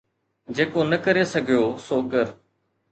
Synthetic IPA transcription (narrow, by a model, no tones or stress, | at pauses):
d͡ʑeːkonəkəɾesəɡʱijoːsoːkəɾ